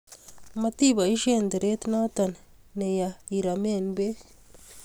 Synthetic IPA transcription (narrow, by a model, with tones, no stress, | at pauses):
ma˦t̪i˦ba˨i˦ʃe˦nd̪i˨ɾe˦t̪na˦t̪a˨nne˨ja˨i˨ɾa˨me˦nbe˦